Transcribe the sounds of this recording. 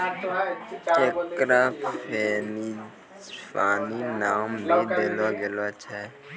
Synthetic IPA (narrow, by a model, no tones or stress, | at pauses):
ekɾapʰeni | paːninaːmbʱid̪eloɡelot͡ʃʰɛ